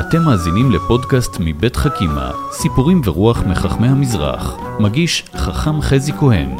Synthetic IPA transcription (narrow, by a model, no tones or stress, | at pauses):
ʔate̞mːaːzinimlepo̞dkastmibe̞tχakima̰ | sipuʁimveʁuaχmiχaχme̞jhamizʁa̰χ | maɡiʃ | χaχamχezikohe̞̰n